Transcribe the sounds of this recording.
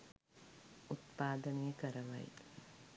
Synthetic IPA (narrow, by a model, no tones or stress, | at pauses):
ut̪paːd̪ənejəkəɾɐʋɐ̰j